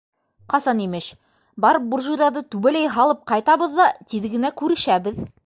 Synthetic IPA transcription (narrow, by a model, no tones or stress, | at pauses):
qɑsɑnimɘʃ | bɑɾɤp̚burʒuɾʲɑðɤt̪ʉβælæjɦɑlˠɤp̚qɑjt̪ɑβɤ̆ðːɑt̪iðɡɘ̆nækʉɾɘ̆ʃæbɘð